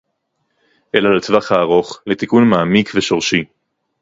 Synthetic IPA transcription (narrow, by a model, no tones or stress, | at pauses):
ʔelalet͡svaχhaːʁo̞χlet̪ikunmaːmikveʃo̞ʁʃi